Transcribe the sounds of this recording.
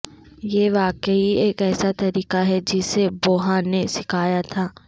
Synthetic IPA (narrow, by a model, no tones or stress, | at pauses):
jeʋaːkəieːkɛːsat̪ɐɾiːkaɦɛd͡ʒɪseboːɦanesɪkʰaːjat̪ʰaː